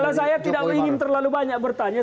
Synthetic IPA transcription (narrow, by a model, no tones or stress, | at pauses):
las̬ajat̪idaiŋɪnt̪ərlalubaɲak̚bərt̪aɲa